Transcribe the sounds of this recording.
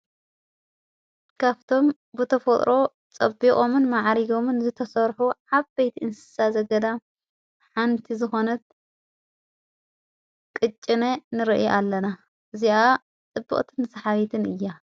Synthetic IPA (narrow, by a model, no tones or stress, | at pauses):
kʰaβt̪ʰo̞m | bɨt̪ʰɐfɐt̪ʼɾʔo̞ | t͡sʼɐ̰bːikʼomɨnmaʕɾiɡo̞mɨnzɨt̪ʰɐsɐɾħuʕaβbejt̪ʰiʔɨnsɨ̥sazɐɡɐd̪a | ħant̪ʰizɨxo̞nɐt̪̚ | kʼɨt͡ʃʼːɪnenɨɾɨʔjʔalːɐna | ʔɨziʔa | t͡s̪ʼɨbːɨ̰χʼt̪ʰɨnɨsɐħaβit̪ʰɨnɨjːa